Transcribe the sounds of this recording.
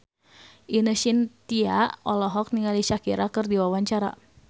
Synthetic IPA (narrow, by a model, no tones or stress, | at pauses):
ʔinəʃint̪ia̰ʔɔlɔɦɔk̚niŋaliʃakiɾakərdiwawaɲt͡ʃaɾa̰